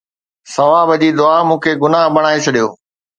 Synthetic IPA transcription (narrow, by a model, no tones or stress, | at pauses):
sɐʋãːbɐd͡ʑiːd̪ʊaːmũːkʰeːɡʊnaɦbɐɽ̃aːet͡ɕʰɐɗijo̰ː